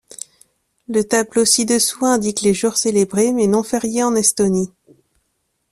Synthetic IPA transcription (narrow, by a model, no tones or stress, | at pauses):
lət̪ablosid̪əswɛ̃ɛ̃d̪ikleʒuʁselebʁemɛnɔ̃fɛʁjeɑ̃nɛst̪oni